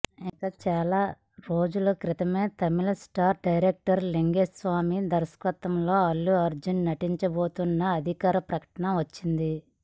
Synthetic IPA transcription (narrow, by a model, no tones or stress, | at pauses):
ikat͡ʃaːlaː | ɾo̞ːd͡ʒulukɾit̪ɐme̞ːt̪ɐmilɐsʈaːɾɖɐjɾek̚ʈɐɾleŋɡed͡ʒsʋaːmid̪ɐɾɐskʋɐt̪ɐmlo̞ːɐlːuɐɾd͡ʒɐnnɐʈiɲt͡ʃɐbo̞ːt̪unːɐːd̪ʱikaːɾɐpɾɐkɐ̥ʈɐnɐʋɐt͡ʃːind̪i